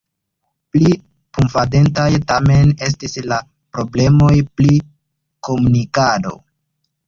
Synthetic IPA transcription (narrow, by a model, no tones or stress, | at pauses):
pli | pumfade̞ntajtame̞ne̞s̬tisla | pɾo̞ble̞mo̞jpli | ko̞munikado̞̰